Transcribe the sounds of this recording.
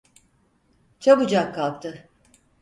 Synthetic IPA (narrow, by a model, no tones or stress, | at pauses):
t͡ʃʰabud͡ʒakʰːalˠk̚t̪ʰɯ